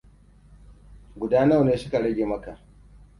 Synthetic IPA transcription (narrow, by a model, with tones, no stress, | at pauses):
ɡʷʊ˨daː˦nɐ˦˨neː˦sʊ̥˦ka˨ɽɐ˦ɡʲeː˨mɐ˦ka˨ʔ